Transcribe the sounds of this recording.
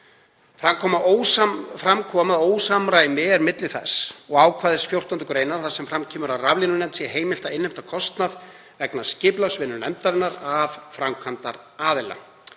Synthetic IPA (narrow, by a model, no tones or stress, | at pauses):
fɾamkʰɔmaowfɾamkʰɔːmaðoːwsamɾaɪmɛːɾmɪt̪lɪθɛsɔɣaːwkʰvaːðɪsfjowr̥t̪ɔnt̪ʏkɾeːjnaɾ̥θasɛmfɾamcʰɛːmʏɾawravlinʏnɛnt̪sjɛɦeːjmɪl̥t̪aɪnːɪm̥t̪akʰɔst̪nað | vɛknḁscɪːplawsvɪnːʏnɛmt̪aɾɪnːaɾavfɾamkʰvant̪a̰ɾaːðɪla̰